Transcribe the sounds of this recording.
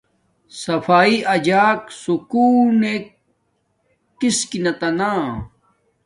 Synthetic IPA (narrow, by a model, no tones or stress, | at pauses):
sɐfaːiɐd͡ʑaːksukuːne | kiskinɐt̪ɐnaː